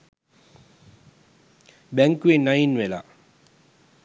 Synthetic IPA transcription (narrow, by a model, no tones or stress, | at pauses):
bɛŋkwenajinwela̰